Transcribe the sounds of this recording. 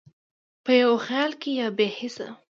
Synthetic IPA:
pəjawxjɑlkejɑbehɪsa̰

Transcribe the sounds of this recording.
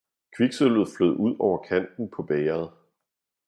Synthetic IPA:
kʰʋiɡ̥sølð̩ˠfløð̞̰ˠuð̰ˠɒʊ̰ɐkʰæn̰d̥n̩pʰɒ̽b̥ɛːɐð̩ˠ

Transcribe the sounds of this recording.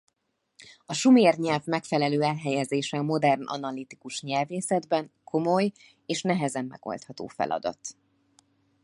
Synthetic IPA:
ɒʃumeːrɲɛlvmɛkfɛlɛløːɛlɦɛjɛzeːʃɛɒmo̞d̪ɛrnʔɒ̰nɒlːit̪i̥kuʃɲɛlveːsɛd̪bɛŋkʰo̞moj | eːʃnɛɦɛzɛmːɛ̰ɡ̥o̞̰lt̪hɒt̪o̰ːfɛ̰lʔɒ̰d̪ɒ̰t̪

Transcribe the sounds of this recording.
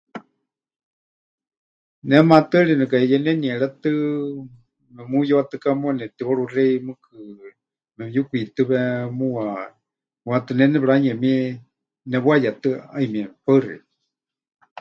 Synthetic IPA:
nɛmat̪ɨɺinɛkaɛjɛnɛniɛɺɛt̪ɨ | mɛmujoat̪ɨkamuanɛt̪iβoɺurɛimɨkʰɨ | mɛmjukʷuit̪ɨβɛmua | muat̪ɨnɛnɛβɺaɲɛmi | nɛβwajat̪ɨaimiɛpaɨrḭ

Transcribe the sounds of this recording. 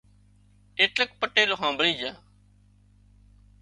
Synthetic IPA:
eːʈlək̚pəʈeːloːɦãːbəɽĩːd͡ʒãː

